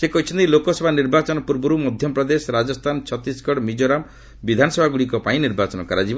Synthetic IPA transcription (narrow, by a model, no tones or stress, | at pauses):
sekɔɦit͡ʃʰɔnt̪ilokɔsɔbʱaniɾbat͡ʃɔnɔpuɾbɔɾumɔd̪ʱjɔpɾɔd̪esɾad͡ʒɔst̪ʰant͡ʃʰɔt̪iskɔɽmid͡ʒoɾam | bid̪ʱanɔsɔbʱaɡuɽikɔpaĩniɾbat͡ʃɔnɔkaɾad͡ʒib